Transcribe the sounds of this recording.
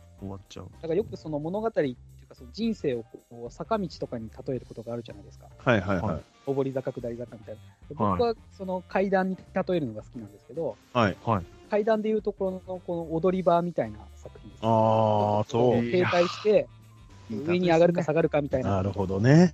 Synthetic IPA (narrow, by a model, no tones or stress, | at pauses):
omat͡ɕa̰d̪̥akajo̞kɯ̟so̞no̞mo̞no̞ɡat̪aɾʲit̪ːeejɨɯ̟kasono̞d͡ʑĩɰ̃se̞ːo̞koːsakamʲit͡ɕi̥t̪o̞kaɲ̟it̪at̪o̞e̞ɾɯ̟ko̞t̪o̞ɡaːɾɯ̟ʑanaid̪e̞sɨ̥kahaɦaja̰i | o̞bo̞ɾʲizakakɯ̟d̪aɾʲizakamʲit̪aind̪ebokɯ̟βaso̞no̞kʰaid̪ãɲ̟ːit̪at̪o̞e̞ɾɯ̟no̞ɡasɨ̥kʲinãnd̪e̞sɨ̥ke̞d̪o̞haikaid̪ãnd̪e̞jɯ̟ːt̪o̞ko̞onno̞ko̞noːd̪o̞ɾʲibaːmʲit̪aina̰sakɯ̟çʲĩnsasooke̞ːt̪aiɕi̥t̪e̞ | ɯ̟e̞ɲ̟iaɡaɾɯkasaɡaɾɯ̟kamʲit̪ainaɾɯ̟ho̞d̪one